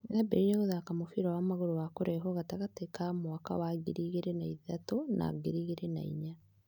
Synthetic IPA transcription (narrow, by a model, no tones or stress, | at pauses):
nabeɾiɾeɣoðaːkamofiɾawamaɣoɾowakoɾɛɦɔɣataɣatekamwaka̰waɡiɾiɣeɾenaiðatona̰ɡeɾiɣeɾena̰ḭɲa